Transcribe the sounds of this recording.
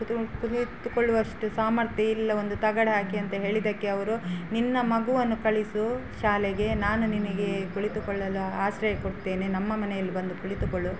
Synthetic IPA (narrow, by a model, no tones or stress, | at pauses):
kuɭit̪ukoɭːuʋɐʂʈusaːmɐɾt̪jɐilːɐo̞nd̪ut̪ɐɡɐɽɦaːkiɐnt̪ɐɦe̞ːɭid̪ɐkːe̞ɐʋɐɾuninːɐmɐɡuʋɐnːukɐɭisuʃaːlɛɡe̞naːnuninɐɡe̞kuɭit̪ukɔɭːɐluaːʃɾɐjɐkoɽt̪ːe̞ːnenɐmːɐmɐnɛjɐlːibɐnd̪ukuɭit̪ukoɭːu